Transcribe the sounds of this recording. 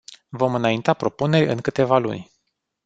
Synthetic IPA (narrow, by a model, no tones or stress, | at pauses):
vo̞mɨnaint̪apɾo̞pune̞rʲɨ̰ŋkɨt̪e̞valṵnʲ